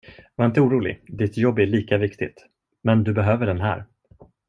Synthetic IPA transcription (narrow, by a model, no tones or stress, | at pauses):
vaɾɪnt̪̬əuːɾuːlɪ̰d̪ɪt̪jɔbːæɭiːkavɪkt̪ɪt̪ | mɛnd̪ɵbɛɦøːvəɖɛnɦæ̰ːɾ